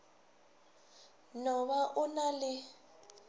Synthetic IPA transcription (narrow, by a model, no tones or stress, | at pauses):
nɔmaʔʊnalɪ